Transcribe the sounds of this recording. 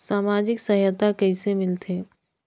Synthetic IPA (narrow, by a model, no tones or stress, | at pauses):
saːmaːd͡ʒɪksɐɦjət̪akɛɪsemɪlt̪ʰeː